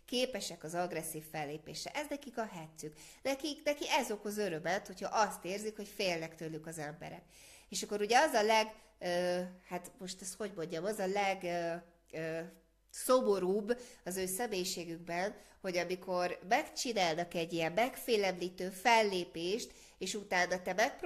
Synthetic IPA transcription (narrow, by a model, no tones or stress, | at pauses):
keːpɛʃɛkɒzɒɡrɛsːiːfːɛlːeːpeːʃɛʔɛznɛkikɒɦɛt̪syknɛkiknɛkiɛzo̞khozø̞ɾømɛt̪ho̞chɒʔɒst̪eːrzikho̞cfeːlnɛkt̪ølːykɒzɛmbɛ̰ɾɛ̰k | eːʃɒkːo̞ɾuɟɛɒzɒlɛɡ | øːhat̪mo̞ʃt̪ɛst̪ho̞ɟmo̞ɲɟɒmɒzɒlɛɡ | øː | somo̞ɾuːbːɒzøːsɛmeːjiʃeːɡyɡ̚bɛnho̞ɟɒmikʰo̞rmɛkt͡ʃinaːlnɒkɛɟːijɛmːɛkfeːlɛmliːt̪øːfɛlːeːpeːʃt̪ | eːʃut̪aːnːɒt̪ɛmɛk̚p